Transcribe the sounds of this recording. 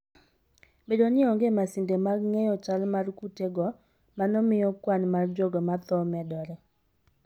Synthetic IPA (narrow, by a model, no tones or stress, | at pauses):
bedonɪɔŋɡemasɪndemaɡŋejɔt͡ʃalmarkuteɡɔ | manɔmɪjɔkwanmard͡ʒoɡɔmat̪ɔmɛdɔɾɛ